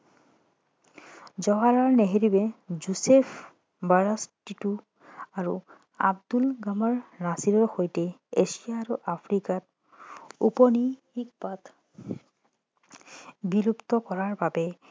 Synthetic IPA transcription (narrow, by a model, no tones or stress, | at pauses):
zɔɦalaɹneɦeɹibɛzusepʰ | baɹastitu | aɹṵ | a̰b̚dulɡamaɹnasiɹɔɹxojtɛesijaːɹuʔapʰɹikat̚ | upɔnixik̚pat | bilupt̪ɔkɔɹaɹbabɛ